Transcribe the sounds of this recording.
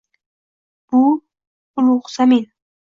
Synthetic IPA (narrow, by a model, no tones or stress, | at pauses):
b̥ʊ | ʊluʁsamin